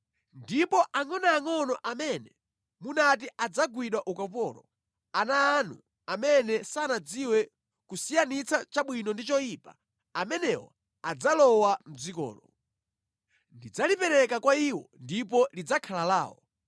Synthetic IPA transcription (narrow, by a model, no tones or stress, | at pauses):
ndipɔʔaŋɔnaːŋɔnɔʔamɛnɛ | munat̬iʔad͡zaɡwiɗwaʔukap̬ɔlɔ̰ | anaːnṵ | amɛnɛsanad͡ziwɛ | kusijanit͡sʰat͡ʃaɓwinɔndit͡ʃɔiːpa | amɛnɛwɔ̰ | ad͡zalɔwam̩zikɔ̰ːlɔ | ndid͡zalipɛɾɛkakwaiwɔ̰ndipɔlid͡zakʰalala̰ːwɔ̰